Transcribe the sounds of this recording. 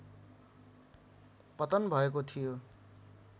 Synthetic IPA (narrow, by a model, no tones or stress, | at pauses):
pʌt̪ʌnbʱʌekot̪ʰijo